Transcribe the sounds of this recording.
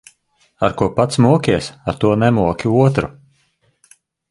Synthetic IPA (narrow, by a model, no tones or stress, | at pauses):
aɾkuɔpat̪smuɔkʲiɛsaɾt̪uɔnɛmuɔkʲiuɔt̪ɾu